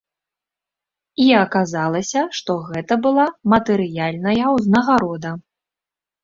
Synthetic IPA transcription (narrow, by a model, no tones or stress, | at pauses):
iaɐkazalˠɐsʲɐʂt̪ɔɣɛt̪ɐbɨlˠamɐt̪ɛɾɨjalʲnɐjɐwznɐɣaɾɔd̪ɐ